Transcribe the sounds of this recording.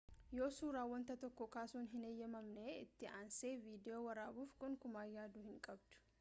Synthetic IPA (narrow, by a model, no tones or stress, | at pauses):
jo̞ːsuːɾaːwːɐnt̪ɐt̪ɔkːɔkaːsuːnɦɪnejːɐmɐmneɪt̪ːɪʔaːnseːviːd̪ɛjoːwɐɾaːbuːfkʼʊŋkʊmaːjaːd̪uːhɪŋkʼɐbd̪̥ʊ̥